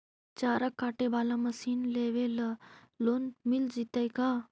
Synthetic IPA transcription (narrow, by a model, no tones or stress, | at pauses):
t͡ʃaːɾakːaːʈebaːlamɐsiːnleːʋelɐ | loːnmild͡ʒit̪ajka